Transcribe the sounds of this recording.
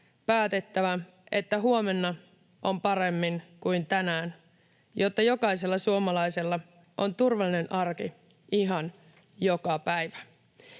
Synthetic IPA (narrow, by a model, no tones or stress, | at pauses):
pæːt̪e̞t̪ːæʋæ | e̞t̪ːæɦuomenːɑ | ʔo̞mpɑɾe̞mːiŋkuint̪ænæːn | jo̞t̪ːɑjo̞kɑise̞lːɑsuomɑlɑjse̞lːɑ | ʔo̞nt̪urʋɑlːine̞nʔɑrki | iɦɑn | jo̞kɑpæjʋæ̥